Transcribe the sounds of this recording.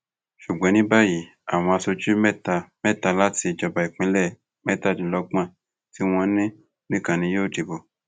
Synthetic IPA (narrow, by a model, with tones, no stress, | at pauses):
ʃu˨ɡ͡bɔ̃˨˦nĩ˦ba˦˨ji˨ | a˨w̃ɔ̃˧a˧so˧d͡ʒu˦mɛ˦ta˧mɛ˦˨ta˧la˦ti˧˨d͡ʒɔ˧ba˨i˨k͡pĩ˨˦lɛ˦˨ | mɛ˦˨ta˦˨dĩ˨lɔ˨˧ɡ͡bã˦˨ | ti˦w̃ɔ̃˧nĩ˦ | nĩ˦kã˨nĩ˧˦joː˦˨di˨bo˨